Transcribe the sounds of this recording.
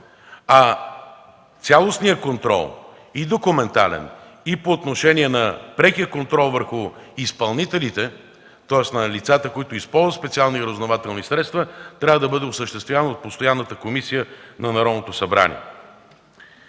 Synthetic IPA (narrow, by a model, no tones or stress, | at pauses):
ɐ | t̪sʲalˠosnijəkont̪ɾɔ̰lˠ | id̪okʊmɛnt̪a̰lɛ̰nipoːt̪noʃɛnʲiɛnɐpɾɛkiəkont̪ɾɔlˠvəɾxʊispɐlˠnit̪ɛlit̪ɛ | t̪ɔɛsnɐlit̪sat̪əkoit̪ʊispɔlˠzvət̪spɛt̪sialˠniɾəznovat̪ɛlˠnisɾɛt̪st̪vət̪ɾʲavəd̪ɐbɤd̪ɛʊsəʃt̪ɛst̪vʲjavənəot̪̚post̪ojanːət̪əkomisijənɐnɐɾɔd̪not̪osɐbɾa̰nḭɛ̰